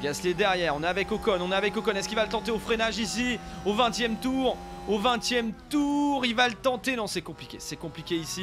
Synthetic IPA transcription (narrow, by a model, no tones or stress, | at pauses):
vasled̪ɛʁjɛʁɔ̃neavɛkokɔnɔ̃neavɛkokɔnɛskilvalət̪ɑ̃t̪eofχenaʒisiovɛ̃t̪jɛmt̪uʁovɛ̃t̪jɛmt̪uʁilvalət̪ɑ̃t̪enɔ̃sɛkɔ̃plikʲḛsɛkɔ̃plikʲeisi